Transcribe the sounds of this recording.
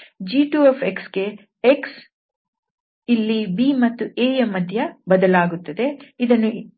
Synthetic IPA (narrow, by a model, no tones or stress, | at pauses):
d͡ʒiːʈuːefʰeksɡe̞ | eks | ilːibiːmɐt̪ːuʔeːjɐmɐd̪ʱjɐbɐd̪ɐlaːɡut̪ːɐd̪e̞id̪ɐnːu